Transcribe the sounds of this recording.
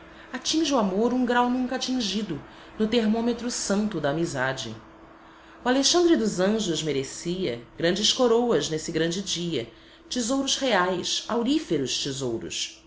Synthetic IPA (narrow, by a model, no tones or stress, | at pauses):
at͡ʃĩʒɪuamoɾũŋɡɾawnũŋkɐat͡ʃĩʒid̪ʊ | nʊt̪eɾmõmet̪ɾʊsɐ̃nt̪ʊd̪ɐːmizad͡ʒɪ̰ | ualeʃɐ̃nd̪ɾɪd̪ʊzɐ̃ʒʊzmeɾesiɐɡɾɐ̃nd͡ʒɪskoɾowɐznesɪɡɾɐ̃nd͡ʒɪd͡ʒiɐ̰ | t͡ʃizowɾʊzheajsawɾifeɾʊʃt͡ʃizowɾʊ̰s